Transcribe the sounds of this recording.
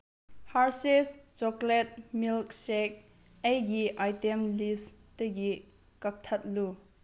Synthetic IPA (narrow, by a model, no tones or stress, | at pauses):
haɾsest͡ʃɔklɛt̚milk̚sɛk̚ | ejɡiʔajtɛmlisteɡi | kɐk̚t̪ʰɐt̪̚lu